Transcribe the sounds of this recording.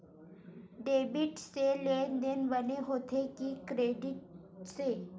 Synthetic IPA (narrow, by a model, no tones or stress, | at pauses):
ɖeːbɪʈselend̪enʋəneɦoːt̪ʰekikɾeːɖɪʈ̚ | se